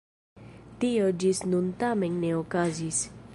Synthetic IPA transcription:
t̪iod͡ʒisnunt̪amenneokazis

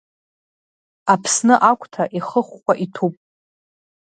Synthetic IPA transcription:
apʰsnɨʔakʷʰʼtʰaʔiχəχːʷaʔitʰupʼ

